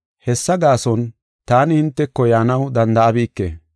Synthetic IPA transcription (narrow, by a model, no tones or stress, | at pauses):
hɛsːɐɡaːsɔn | t̪aːnɪhɪnt̪ːɛkːɔjaːnɐwd̪ɐnd̪ɐʔɐbiːkːḛː